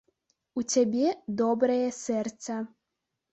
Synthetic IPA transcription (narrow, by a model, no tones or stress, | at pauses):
ut͡sʲabʲɛd̪ɔbɾɐjɛsʲɛrt̪sɐ